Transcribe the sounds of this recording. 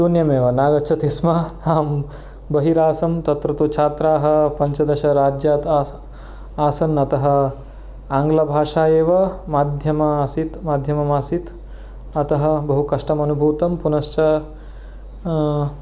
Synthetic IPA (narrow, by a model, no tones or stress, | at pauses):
suːnjɐmeːʋɐnaːɡɐt͡ʃʰɐt̪ismɐaːm | bɐɦiɾaːsɐmt̪ɐt̪ɾɐt̪ut͡ʃʰaːt̪ɾaːɦɐ̆pɐɲt͡ʃɐd̪ɐʃɐɾaːd͡ʒjaːt̪ː | aːsɐnːɐt̪ɐɦɐ̆ | aːŋɡlɐbʱaːʂaːjeːʋɐmaːd̪ʱjɐmɐsit̪maːd̪ʱjɐmɐmaːsit̪ | ɐt̪ɐɦɐ̆bɐɦukɐʂʈɐmɐnubʱuːt̪ɐmpunɐʃt͡ʃɐ